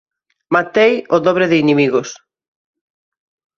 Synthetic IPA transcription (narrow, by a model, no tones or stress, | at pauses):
mat̪ejoðɔβ̞ɾeðɪinemiɣos